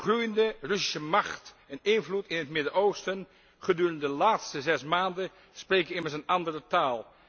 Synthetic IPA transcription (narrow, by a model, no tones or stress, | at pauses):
χrujəndərɵsi̥səmɑχt | ɛnɪnvlutɪnɦətmɪdəɹowstən | χədyːrəndəlaːtstəzɛsmaːndə | sprejkəɪməɹs̬ənɑndərətaːlˠ